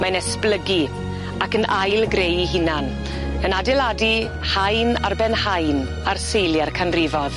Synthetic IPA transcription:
manɛsplˠəɡi | akənʔajlˠɡrejiɦɪnan | ənadɪladi | hajna̰rbɛnhajn | arsejlˠjarkʰanrɪvɔð

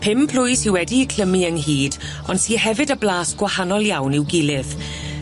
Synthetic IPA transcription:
pʰɪmpʰl̥ʊjsiwɛdikʰl̥əmiənɦiːd | ɔnsiːhɛvɨdəblaːsɡ̥wahanɔlˠjawnɪwɡɪlˠɪð

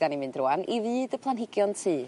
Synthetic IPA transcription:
d̥animɨndrʊanʔivɨːdəpʰlˠanɦɪɡjɔntʰɨː

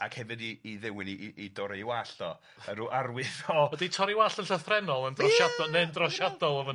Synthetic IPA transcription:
akhɛvɪdiːðɪwɪniidɔɾewaɬɔ | əɾuʔarwɪθɔɔditʰɔɾiwaɬənɬəθrɛnɔlˠəndrɔʃadɔnɛndrɔʃadɔlˠɔvɔ

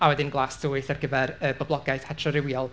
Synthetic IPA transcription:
awɛdɪnɡlˠaːsd̥ʊːɨθarɡəvɛɾəbɔblˠɔɡaɨθhɛtʰrɔɾɪwjɔlˠ

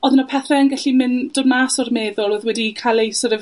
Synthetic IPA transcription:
ɔðənɔpʰɛθrɛənɡaɬimɪnd̥ɔdmaːsɔrmeːðʊlˠoːðwɛdikʰalˠejsɔɾəv

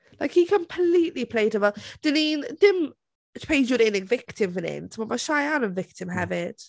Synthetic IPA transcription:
laɪkhikʰə̃mpʰliˑʔlipʰl̥eɪtəvəd̥ɪnind̥ɪm | tpʰeɪd͡ʒəɾɪnɪɡvɪktʰɪ̃mvənɪ̰ntʰəmamaʃaɪanə̃nvɪk̚tʰɪ̃mɦavɪt

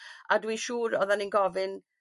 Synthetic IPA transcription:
adwiʃuːɾɔðaninɡɔvɨn

